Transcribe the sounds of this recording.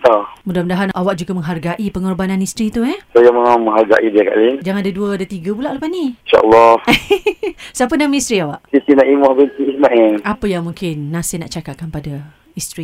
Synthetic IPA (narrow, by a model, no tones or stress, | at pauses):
t̪amudahməndaɦanʔawaʔ̚d͡ʒuɡaməŋɦarɡaʔipəŋɔrbananist̪ɾit̪uɛsajaməŋaməŋɦarɡa̰ʔidiaka̰ʔlid͡ʒaŋadaduəadat̪iɡəbulaʔlapaniinʃa̰ʔə̰lːɔh | sapədamist̪ɾiawaʔsit̪inaʔimuhbənt̪iismaʔɛlapəjaŋmuŋkɪnːasɪhna̰ʔt͡ʃakakːanpada | ist̪ɾi